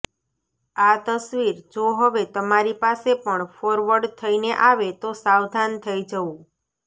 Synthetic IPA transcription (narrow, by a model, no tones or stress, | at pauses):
at̪əsʋiɾd͡ʒoɦəʋet̪əmaɾipasepəɳfoɾʋəɾɖt̪ʰəineʔaʋet̪osawd̪ʱant̪ʰəid͡ʒəũ